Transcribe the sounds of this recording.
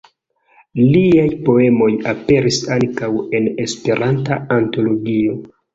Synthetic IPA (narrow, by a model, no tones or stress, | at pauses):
liajpo̞e̞mo̞jape̞ɾisaŋkawe̞ne̞spe̞ɾʔantaːnto̞lo̞ɡio̞